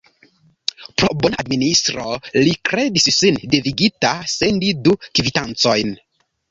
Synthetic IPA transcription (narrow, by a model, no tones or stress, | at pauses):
pɾobonaa̰dministɾo̞likɾe̞dissindeviɡitasendidukvitant͡so̞jn